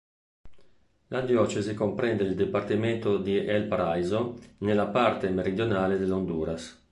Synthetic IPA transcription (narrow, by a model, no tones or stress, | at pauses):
lʔad̪jɔːt͡ʃezikompɾɛnd̪eild̪ipart̪imɛnt̪od̪iɛlpɾajzonelːapaɾt̪emeɾid̪jonaːled̪elond̪uːɾas